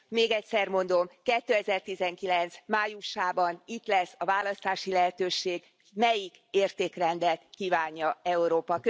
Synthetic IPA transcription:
meːɡɛcsɛrmo̞nd̪o̞mkɛt̪ːøːɛzɛrt̪izɛŋkilɛnt̪smaːjuʃaːbɒnit̪lɛsːɒvaːlɒst̪aːʃilɛɦɛt̪øːʃeːɡ | mɛjikeːrt̪eːkrɛnd̪ɛlt̪kiːvaːɲːɒɛuɾoːpɒk

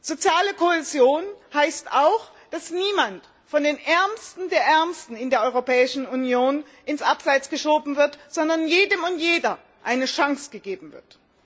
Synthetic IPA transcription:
z̥ot͡sjaːləkʰoɛzjoːnhaɪstaʊx | d̥asniːmant | fɔndeːnʔɛɐmstn̩deːɐʔɛɐmstn̩ɪndeːɐʔɔʏʁopɛːɪʃn̩unjoːn | ʔɪnsʔapz̥aɪt͡sɡ̥əʃoːbm̩vɪɐtz̥ɔndɐnjeːdəmʊntjeːdɐ | ʔaɪnəʃaŋsɡ̥əɡeːbm̩vɪ̰ɐt

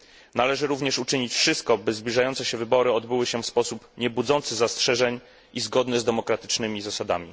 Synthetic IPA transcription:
nalɛʐɘɾuvɲɛʂut͡ʂɘɲit͡ɕfʂɘst̪̚kɔbɘzblʲiʐajɔnt̪sɛɕɛvɘbɔɾɘɔd̪bɘwɘɕɛfspɔsupɲɛbud̪zɔnt̪sɘzastʂɛʐɛɲ | ʔizɡɔd̪nɘzd̪ɛmɔkɾat̪ɘ̥t͡ʂnɘmʲizasad̪a̰mʲi

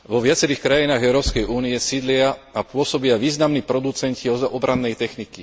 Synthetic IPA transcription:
ʋɔʋɪat͡sɛɾiːxkɾajinaːɣɛʊɾɔːpskɛjʔuːnijɛsid̪lɪaapʊɔsɔbɪaʋiːznamniːpɾɔd̪ut͡sɛnciɔzɔbɾanːɛjt̪ɛxniki

